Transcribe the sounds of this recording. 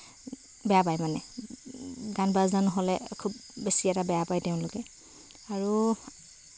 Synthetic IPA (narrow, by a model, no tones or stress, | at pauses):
bɛjapajmanɛ | ɡanbazdanɔɦɔlɛkʰub̚ːesiɛtabɛjapajteʊ̃nlʊkɛ | aɹu